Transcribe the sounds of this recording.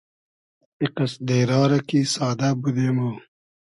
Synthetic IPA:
iqɐsd̪eːɾɑːɾɐkisɑːd̪abud̪emo

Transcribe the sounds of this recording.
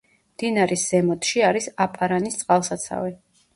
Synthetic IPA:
md̪̥inaɾisz̥ɛmɔt̪ʰʼʃiaɾisapʼaɾanist̪sʼqʼalˠsat̪sʰa̰vɛ

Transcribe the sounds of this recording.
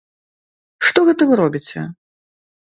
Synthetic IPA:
ʂt̪ɔɣɛt̪ɐvɨɾɔbʲit͡sʲɛ̰

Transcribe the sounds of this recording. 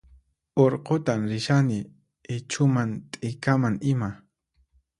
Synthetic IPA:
oɾqot̪amɾɪʃanɪ | ɪt͡ʃʰʊmant̪ʼɪjkamaŋɪma

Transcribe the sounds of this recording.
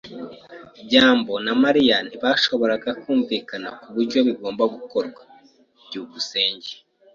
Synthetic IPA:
bɟaːmbo̞namaɾian̥iβaʃo̞βo̞ɾaɡakuːɱviːkanakuβuɾɟo̞βiɡo̞ːmbaɡuko̞ɾɡwa | bɟuːɡuse̞ːɲɟe

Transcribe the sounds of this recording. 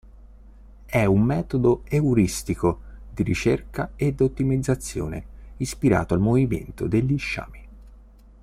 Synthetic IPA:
ɛumːɛːt̪od̪oeuɾist̪ikod̪iɾḭt͡ʃerkaed̪ot̪ːimid̪zːat̪sːjo̰ːnḛispiɾa̰ːt̪oalmovimḛnt̪o̰d̪eʎːiʃːa̰ːmi

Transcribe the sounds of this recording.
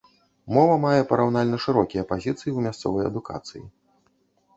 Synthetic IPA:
mɔvɐmajɛpɐɾawnalʲnɐʂɨɾɔkʲijɐpazʲit̪sɨjiwmʲast̪sɔ̰vɐjɐ̰d̪uka̰t̪sɨ̰jḭ

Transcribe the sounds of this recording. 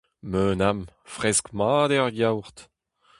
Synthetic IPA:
møːnamfʁɛskmɑːd̪ɛʁjawʁt̪

